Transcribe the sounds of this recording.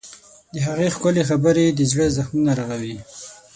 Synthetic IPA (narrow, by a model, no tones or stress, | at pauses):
d̪əɦaɣexkʊlexabəɾed̪əd͡ʒɽəzaxmunaɾaɣawi